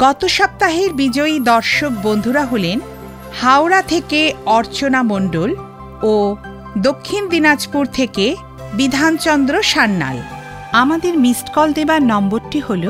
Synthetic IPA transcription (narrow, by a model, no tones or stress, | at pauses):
ɡ̥ɔt̪oʃɔp̚t̪aɦeɾbid͡ʑɔid̪ɔɾʃok̚bond̪ʱuɾaɦolen | hawɾat̪ʰekeɔɾt͡ɕonamoɳɖol | o | d̪okʰːind̪inad͡ʑpuɾt̪ʰeke | bid̪ʱant͡ɕɔnd̪ɾoʃanːa̰l | amad̪eɾmisʈkɔld̪ebaɾnɔmboɾʈiholo